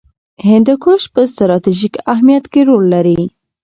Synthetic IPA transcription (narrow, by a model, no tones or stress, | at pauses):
hɪnd̪kʰoʃpəst̪ɾɑt̪iʒikaɦmijat̪keɾolːaɾi